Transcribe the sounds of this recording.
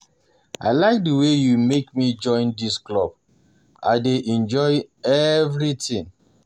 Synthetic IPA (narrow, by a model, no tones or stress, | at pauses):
a̰ɪlaɪk̚dəwejumekmid͡ʒɔ̃ɪ̃ndisklɔb̚ | a̰ɪdeʔɛ̃nd͡ʒɔɪɛvɾitĩŋ